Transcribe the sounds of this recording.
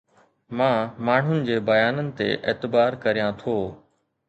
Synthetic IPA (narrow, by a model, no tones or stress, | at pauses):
mãːmaːɳ̤ʊnɪ̆d͡ʑeːbɐjaːnənɪ̆t̪ḛʔeːt̪ɪbaːɾkɐɾijãt̪ʰoː